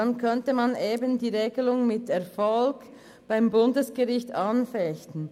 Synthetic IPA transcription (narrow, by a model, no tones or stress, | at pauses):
ankʰœntəmɑnʔeːbəndiːʁeːɡəlʊŋmɪtʰɛɐfɔlk | b̥aɪmbʊndəsɡ̥əʁɪçtanfɛçtn̩